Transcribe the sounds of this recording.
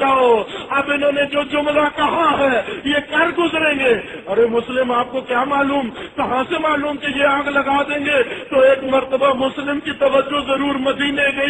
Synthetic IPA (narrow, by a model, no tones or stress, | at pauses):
aːoɐbɪnɦõːned͡ʒoːd͡ʒʊmɾakɐɦaɦɛːjekɐɾɡʊzɾẽːŋɡeː | ɐɾemʊslɪmaːp̚kokjaːmaːluːmkɐɦãsemaːluːmkijeãːɡlɐɡaːd̪ẽːŋɡet̪oeːkmɐɾt̪əbamʊslɪmkit̪ɐʋəd͡ʒːoɦzɐɾuːɾmɐd̪iːneɡɐi